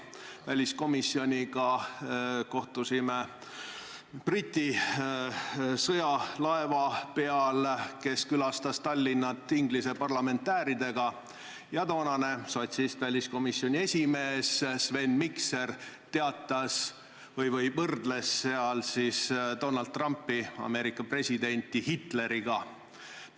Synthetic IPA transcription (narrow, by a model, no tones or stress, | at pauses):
vælʲisko̞misːio̞nʲiɡɑ | ko̞ht̪usime | prit̪ʲːi | sɤjɑlɑevɑpe̞ɑlke̞skylɑst̪ɑst̪ɑlʲːinːɑt̪ːˑiŋɡlise̞pɑrlɑme̞nt̪ːæːɾid̪e̞ɡ̥ɑ | jɑt̪o̞ːnɑne̞sot̪ʲsist̪vælʲisko̞misjo̞nʲie̞sʲime̞ːssve̞nːmikse̞rt̪e̞ɑt̪ːˑɑs | vɤjvɤjvɤrd̪̥le̞sːe̞ɑlsisd̪̥o̞nɑld̪̚t̪ːˑrɑmpːiɑ̰me̞ɾikːˑɑpre̞sʲid̪e̞nʲt̪ːˑihit̪ˑle̞ɾiɡ̥ɑ